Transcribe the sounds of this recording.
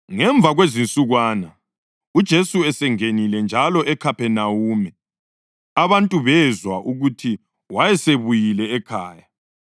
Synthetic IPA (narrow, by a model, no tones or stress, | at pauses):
ŋɛɱb̪vʱaɣwezint͡sʼuɣwaːna | ud̥ʒ̥ʱesuɛsɛŋenilɛnd͡ʒʱalɔʔɛkʰapʰɛnawuːmɛ | aβantʼuβɛzwaʔuɣutʰi | wajɛseβujilɛːkʰaːja